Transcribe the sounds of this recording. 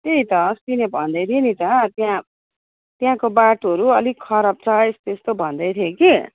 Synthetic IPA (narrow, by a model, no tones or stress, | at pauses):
t̪eĩt̪ʌst̪inebʱʌnd̪ʌjt̪ʰinit̪ʌt̪jã | t̪jãkobaʈɦʌɾuʌlikʰʌɾʌb̚t͡sʰʌjst̪est̪obʱʌnd̪ʌjt̪ʰjeki